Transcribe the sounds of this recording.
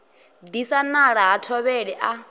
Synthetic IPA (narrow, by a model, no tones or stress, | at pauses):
disanaɺaɦatʰɔβɛɺɛʔa